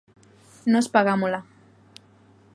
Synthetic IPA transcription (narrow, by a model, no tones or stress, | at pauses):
nospaɣamola